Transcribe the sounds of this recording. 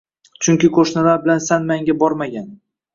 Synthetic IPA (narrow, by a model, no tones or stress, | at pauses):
t͡ʃʰʊŋkʲɪkʰoʃnalaɾbɪlansanmaŋɡʲabɒɾmaɡʲan